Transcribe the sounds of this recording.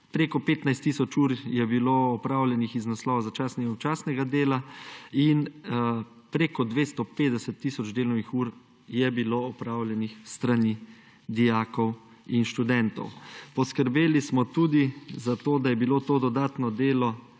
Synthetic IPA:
pɾeːkɔpeːt̪najst̪ːisɔt͡ʃuːɾjɛbiloːɔpɾaːwlɛnixiznaslɔːʋazat͡ʃaːsnɛɡut͡ʃaːsnɛɡad̪eːlain | pɾeːkɔd̪ʋeːst̪ɔpeːd̪ɛsɛt̪ːiːsɔd͡ʒd̪eːlɔnixuːɾ | jɛbiloɔpɾaːwljɛnixst̪ɾani | d̪ijaːkɔw | inʃt̪ud̪ɛnt̪ɔ̰wpɔskəɾbeːlismɔt̪uːd̪izat̪oːd̪ajɛbiloːt̪oːd̪ɔd̪aːt̪nɔd̪eːlɔ

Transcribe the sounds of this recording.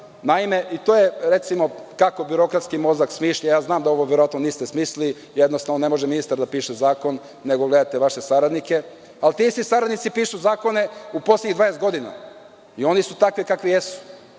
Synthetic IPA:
naime̞ʔit̪oːjeɾe̞t̪simo̞kako̞biɾo̞kɾat̪skimo̞zaksmiːʃʎajaːznaːmd̪ao̞ʋoʋjeɾoat̪noniːst̪e̞smiːsli | jed̪no̞st̪aʋnone̞mo̞ʒeminist̪aɾd̪apiːʃezaːko̞nː | e̞ɡoɡle̞d̪at̪eʋaʃesaɾad̪nike̞ | alt̪isisaɾad̪nit̪sipiːʃuzaːko̞ne̞upo̞slʲeɲiɣd̪ʋaːjest̪ɡo̞d̪ina̰ | io̞nisut̪akʋikakʋijesu̥

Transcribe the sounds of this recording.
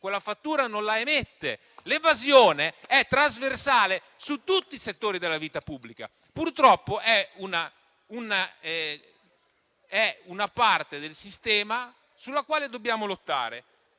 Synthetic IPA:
kwelːafat̪ːuːɾanonlaemet̪ːe | levazjoːneɛt̪ːɾazversaːle | sut̪ːut̪ːiset̪ːoːɾid̪elːaviːt̪apubːlika̰ | purt̪ɾɔpːoʔɛuna | unaɛ | ɛunapart̪ed̪elsist̪ɛːma | sulːakwaːled̪obːjaːmolot̪ːa̰ːɾe

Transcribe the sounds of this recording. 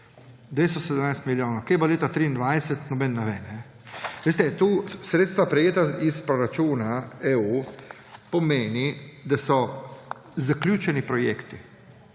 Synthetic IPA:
d̪ʋeːst̪ɔsɛd̪əmnajst̪miljoːnowkejbaleːt̪at̪ɾiːnd̪ʋajsɛt̪nɔbɛnːɛʋeːnɛ | ʋeːst̪ɛt̪usɾeːt̪st̪ʋapɾɛjeːt̪aispɾɔɾat͡ʃuːnaeu | pɔmeːnid̪asɔ | zaklʲjuːt͡ʃɛnipɾɔjeːkt̪i

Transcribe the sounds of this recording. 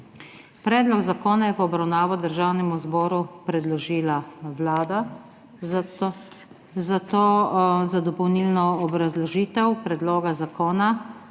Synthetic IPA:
pɾɛːd̪lɔɡzakoːnajɛpɔbɾawnaːʋɔd̪əɾʒaːwnɛmuzbɔːɾupɾɛd̪lɔʒiːlawlaːd̪a | zat̪oːzad̪ɔpɔwniːlnɔɔbɾazlɔʒiːt̪ɛwpɾɛd̪loːɡazakoːna

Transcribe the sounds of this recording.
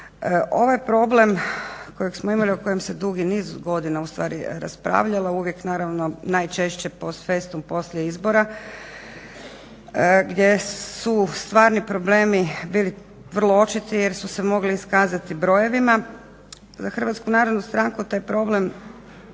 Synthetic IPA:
ʔo̞ʋajpɾo̞ble̞mkojeksmoimalioko̞je̞mse̞d̪uɡiniːzɡo̞d̪inaust̪ʋa̰ːɾiɾa̰spɾa̰ːʋʎalauʋje̞knaːɾaʋno̞najt͡ʃe̞ʃt͡ɕe̞po̞sfe̞st̪umpo̞slʲʎjeizbo̞ɾa | ɡd̪ʲje̞sust̪ʋaːɾnipɾo̞ble̞ːmibiːli | ʋr̩lˠoo̞t͡ʃit̪ije̞ɾsusemo̞ɡliːskaːzat̪ibɾo̞je̞ʋima | zaxr̩ʋat̪skunaːɾod̪nust̪ɾaːŋkut̪aːjpɾo̞ble̞m

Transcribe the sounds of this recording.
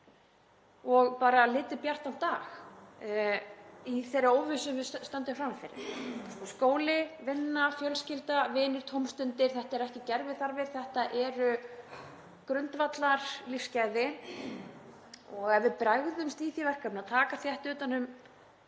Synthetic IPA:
ɔɣpaːɾalɪːt̪ɪpjar̥t̪an̥t̪ːaːx | iθerːɪowvɪsʏmvɪst̪ant̪ɪmfɾamfɪɾɪ̰ɾskɔskoːwlɪvɪnːafjœlscɪlt̪avɪːnɪɾ̥t̪ʰowmst̪ʏnt̪ɪɾ̥θɛht̪aɛɾɛhcɪcɛɾvɪðθaɾvɪɾ̥θɛht̪aʔɛɾʏ | kɾʏnt̪vat̪laɾ̥lifscajðɪ | ɔɣɛvvɪpɾaɣðʏmst̪iːθivɛr̥kamnaðt̪ʰaːkaθjɛht̪ʏːt̪anʏm

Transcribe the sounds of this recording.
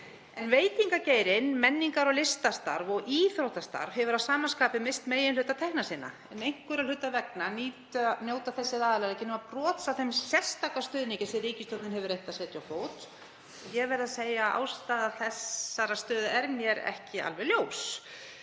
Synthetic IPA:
ɛnveːjt̪iŋkaceːjɾɪnmɛnːiŋkaɾɔlɪst̪ast̪a̰ɾvɔɣiːθɾowt̪ast̪a̰ɾvhɛvʏɾawsaːmanskaːpɪmest̪meːjɪnlʏt̪ːat̪ʰɛhknasɪːnːa̰ | ɛnejŋ̥kʏɾal̥ʏt̪ːavɛknaniːt̪njoːwt̪aθɛsːɪðaːðalalɛcɪnʏmaprɔːt̪saθɛmsɛst̪akast̪ʏːðnicɪsɛriːcɪst̪œt̪nɪnɦɛvʏɾejht̪asɛt̪jawfoːwt̪ | jɛɣvɛɾðaseːjaʔa̰ːwst̪aːðaθɛsːaɾast̪œːðɛɾmjɛɾɛ̰hcɪa̰lvɛljoːws

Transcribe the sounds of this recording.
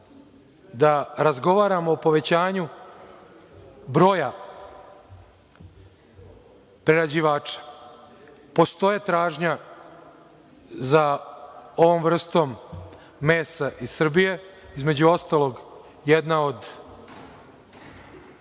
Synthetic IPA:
d̪aɾazɡo̞ʋaːɾamoːpo̞ʋe̞t͡ɕaːɲu | bɾo̞ːja | pɾeɾad͡ʑiʋaːt͡ʃḁ | po̞st̪o̞jet̪ɾaːʒɲa | za | o̞ʋo̞mʋr̩st̪o̞mː | e̞ːsaʔisr̩bije̞izme̞d͡ʑuo̞st̪aːlo̞ɡ | jed̪nao̞d̪

